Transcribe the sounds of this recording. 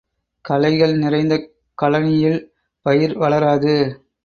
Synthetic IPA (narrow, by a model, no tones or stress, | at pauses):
kɐlɐɪɣɐɭnɪrɐɪnd̪ɐ | kɐlɐnɪjɪl | pɐjɪɾʋɐɭɐɾaːðɯ